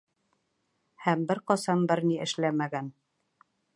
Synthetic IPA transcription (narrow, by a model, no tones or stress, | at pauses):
hæmbɘɾqɒsɑmbɘɾniɘ̆ʃlæmæɡæn